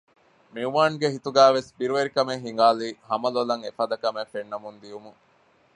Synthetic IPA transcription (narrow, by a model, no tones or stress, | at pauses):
miuʋaːŋɡeɦit̪uɡæːʋesbiɾuʋeɾikɐmeŋɦiŋɡaːliːhɐmɐlɐlɐŋefɐd̪ɐkɐmefenːɐmund̪iumuŋ